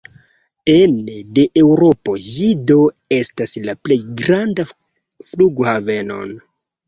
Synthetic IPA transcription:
ende̞ʔewɾo̞po̞zido̞ | e̞staslaple̞jɡɾanda | fluɡohave̞no̞̰n

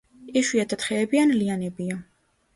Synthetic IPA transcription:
ɛʃwiat̪ʰat̪χɛːbianlianɛbia

